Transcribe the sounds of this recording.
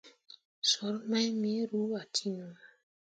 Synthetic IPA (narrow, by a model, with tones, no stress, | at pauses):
sɔ˨˦ɾma˦jmi˨˦ɾu˨˦a˨tʰi˦n˨a˨